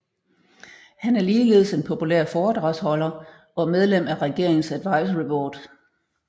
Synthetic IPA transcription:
hænæɐliːle̝ːð̞ˠse̝npʰo̝pʰulḛɐ̰fɒːd̥ʁɑ̈shɒ̽lɐ | ɒ̽með̞ˠlem̰æʁɛɡ̥e̝ɐ̰eŋn̩sæd̥ʋɑ̈ɪsɐʁipʰɒːd̥

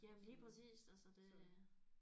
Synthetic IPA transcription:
jæliːpʰʁɛsḭːsæsəd̥e̝

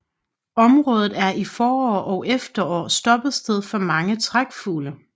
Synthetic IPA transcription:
ɒ̽mʁɔ̽ːðˠð̩ˠæɐʔifɒːɒːʔɒ̽ʊʔefd̥ɐɒ̰ːsd̥ɒ̽b̥ð̩ˠsd̥eð̞ˠfɒ̽mɑ̈ŋət͡sʰʁaɡ̥fuːlə

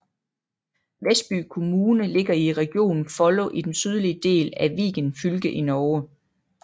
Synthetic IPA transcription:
ʋesd̥̚b̥y̰ːkʰo̝muːnəle̝ɡ̥ɐiʁɛɡ̥jo̝̰ːnfɒ̽loʔid̥ensyð̞ˠliəd̥e̝̰ːlæʋḭːɡ̥ənfylɡ̥əʔinɒː

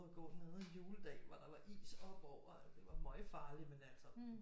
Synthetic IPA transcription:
ðˠɡ̥ɔ̰̥ːneð̩ˠenjuːləd̥ɛ̰ːʋɑd̥ɑ̈ʋɑ̈ʔḭːsɒ̽b̥ɒʊ̰ɐd̥e̝ʋɑ̈mɒ̽ɪfɑ̈ːlimenæl̰sɐ

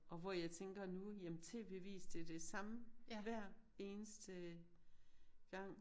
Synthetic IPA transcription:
ʔɒ̽ʋɒjɑ̈ɪt͡sʰeŋɡ̥ɐnujæmnt͡sʰe̝ʋe̝ʋḭːsd̥e̝d̥e̝sɑ̈məʋæɐ̰e̝ːnəsd̥ə | ɡ̥ɑ̈ŋ̰

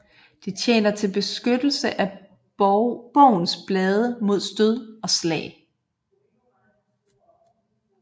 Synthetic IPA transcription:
d̥et͡sʰjḛːnɐt͡sʰe̝lb̥e̝sɡ̥ød̥l̩səʔæ | b̥ɒʊ̰n̩sb̥lɛːð̞ˠəmo̝ð̞̰ˠsd̥øð̞ˠɒ̽slɛ̰ɪ

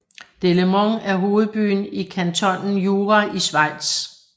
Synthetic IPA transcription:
d̥e̝ləmɒŋæɐɦo̝ːð̞̩ˠb̥y̰ːnikʰænt͡sʰɒ̽nn̩juːʁaʔisʋɑ̈ɪ̰d̥s

